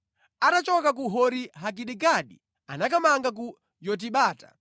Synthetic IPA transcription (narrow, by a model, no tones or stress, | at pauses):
anat͡ʃɔkak̬uɦɔɾiɦak̬iɗikaɗḭ | anak̬amaŋɡak̬u | jɔt̬iɓaːtḁ